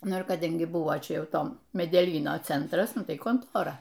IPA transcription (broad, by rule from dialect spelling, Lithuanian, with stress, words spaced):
ˈnʊ ɪr kɐˈdɐŋʲɡʲɪ ˈbʊʋoː ˈt͡ʃʲɛ ˈjɛʊ ˈtoː mʲɛdʲɛˈlʲiːnoː ˈt͡sʲɛntrɐs ˈnʊ ˈtɐɪ koːnˈtoːrɐ